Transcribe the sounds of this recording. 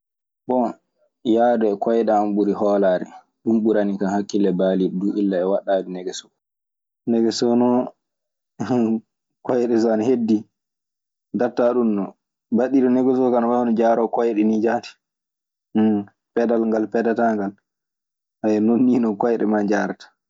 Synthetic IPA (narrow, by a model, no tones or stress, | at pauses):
bɔ | jaːdɔɛkɔjɗɛamɓuɾihɔːlaːɾɛ̰ | ɗumɓuɾanikahakːilːɛbaliɗɔduʔilːaɛwaɗːadɛnɛɡɛsɔ̥ | nɛɡɛsɔnɔ | kɔjɗɛs̬anhedːi | daɾtːaɗunːɔ | baɗiɗɔnɛɡɛsɔkanamahɔnɔd͡ʒaɾɔkɔjɗɛnid͡ʒati̥ | pɛdalŋɡalpɛdataŋɡal | hajɛnonːinɔkɔjɗɛ̰mad͡ʒaɾtḁ